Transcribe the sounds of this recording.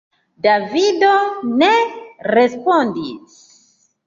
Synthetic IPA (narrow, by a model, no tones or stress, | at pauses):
davidoneɾespondis